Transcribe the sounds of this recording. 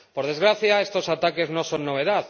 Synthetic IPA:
poɾð̞ezɣɾaθjaest̪osat̪akeznõsoŋnoβ̞eðað

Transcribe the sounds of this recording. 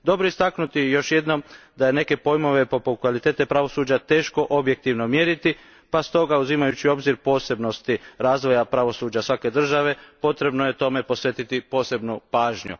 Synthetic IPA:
d̪o̞bɾoist̪aknut̪ijo̞ʃje̞d̪no̞md̪aje̞ne̞ke̞po̞jmo̞ʋe̞po̞put̪̚kʋalit̪e̞ːt̪e̞pɾaʋo̞suːd͡ʑat̪e̞ːʃko̞ʔobje̞k̚t̪iʋno̞mjeɾit̪i | past̪o̞ɡauzimajut͡ɕio̞bziɾpo̞ːse̞bno̞st̪iɾaːzʋo̞japɾaʋo̞suːd͡ʒasʋake̞d̪r̩ʒaʋe̞po̞t̪ɾe̞bno̞je̞t̪o̞me̞po̞sʋje̞t̪it̪ipo̞ːse̞bnupaːʒɲṵ

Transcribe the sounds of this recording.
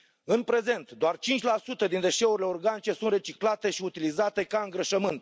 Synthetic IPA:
ɨnpɾe̞ze̞nt̪d̪oart͡ʃint͡ʃʲlasut̪əd̪ind̪e̞ʃe̞uɾile̞orɡanit͡ʃe̞sunt̪re̞t͡ʃiklat̪e̞ʃiut̪ilizat̪e̞kaɨŋɡɾəʃəmɨnt̪

